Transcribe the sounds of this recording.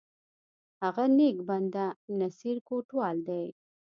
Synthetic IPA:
haɣanekband̪anasiɾkoʈwɑld̪aj

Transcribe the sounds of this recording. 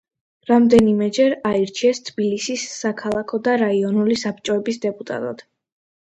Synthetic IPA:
ɾamd̪ɛnimɛd͡ʒɛɾaiɾt͡ʃʰiɛst̪ʰb̥ilisisːakʰalˠakʰɔd̪aɾaiɔnulisapʰt͡ʃʼɔɛbisd̪ɛpʼut̪ʼa̰t̪ʼɔd̪̥

